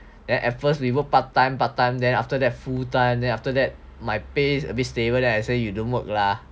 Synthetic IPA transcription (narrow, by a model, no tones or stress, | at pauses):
dɛ̃nʔɛt̚fəswiwəpatːãj̃mpat̚tːãj̃mdɛ̃naftədɛt̚futãɪ̃mdɛ̃naftədɛt̚ | majpesə̰bit̚stebədɛ̃naɪsejudõnwək̚la